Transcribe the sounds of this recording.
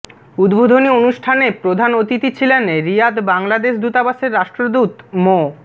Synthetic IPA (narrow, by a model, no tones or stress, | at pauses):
ud̪bʱod̪ʱonionuʃʈʰanepɾod̪ʱanot̪it̪it͡ɕʰilenɾijad̪baŋlad̪eʃd̪ut̪abaʃeɾːaʃʈɾod̪ut̪mo